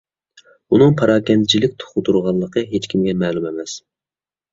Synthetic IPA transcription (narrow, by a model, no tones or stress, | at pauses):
unɨŋpʰɑɾɑːkʲɛnd̪ɪt͡ʃʰilɪkʲt̪ʰʊ̥χʊt̪ʰuɾʁɑlˠːəqʰəɦet͡ʃkʲʰimɡʲɛmɛːlˠumemɛs